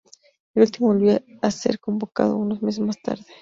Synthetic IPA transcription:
elult̪imoβolβiaase̞̰ɾkombo̞ka̰ðo̞̰uno̞zmes̬ezmast̪a̰ɾðe

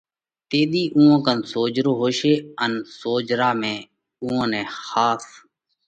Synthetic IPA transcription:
t̪eːɗ̪iːʔũːãːkənsoːd͡ʒɾoːɦoːʃeːənsoːd͡ʒɾaːmẽː | ũːãːnẽːxaːs

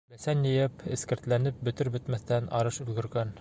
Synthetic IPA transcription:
bæsænjɘ̆jɘpɘ̆skɘ̆ɾt̪lænɘp̚bɵ̆t̪ɘɾbɵ̆t̪mæθt̪ænʔɑɾɤʃɵ̆lɡɘ̆ɾɡæn

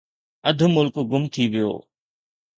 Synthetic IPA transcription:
əd̪ʱʊmʊlkɡʊmt̪ʰiʋɪjo̰ː

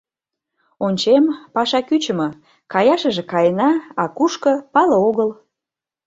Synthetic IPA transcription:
onʲt͡ɕempɑʃɑkyt͡ɕə̆mə̆ | kɑjɑʃə̆ʒĕkɑjənɑɑkuʃkə̆pɑləoɣəl

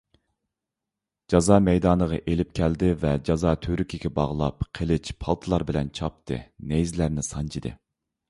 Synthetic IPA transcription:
d͡ʒɑzɑːmɛjd̪ɑːnəʁɑ̰ʔelɪp̚kʲʰɛld̪ɪvɛd͡ʒɑzɑːt̪ʰyɾykʲʰiɡʲɛbɑʁlˠɑ̰pqʰəlɪt͡ʃpʰɑlˠt̪ʰɨlˠɑɾbɪlɛnt͡ʃʰɑp̚t̪ʰɨ̰nejzlæɾnɪsɑnt͡ʃʰid̪ɨ̰

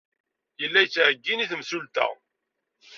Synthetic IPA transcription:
jəlːæjt͡sːʕəɡːiniθəmsult̪æ̰

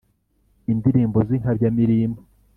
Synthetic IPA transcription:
indiɾiːmboziŋ̥habjamiɾiːmbo

